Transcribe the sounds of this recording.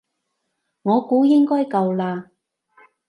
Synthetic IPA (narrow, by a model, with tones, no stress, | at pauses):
ŋɔː˨˧kuː˨˥jɪ˥ŋkɔː˥jkɐ˧wlaː˧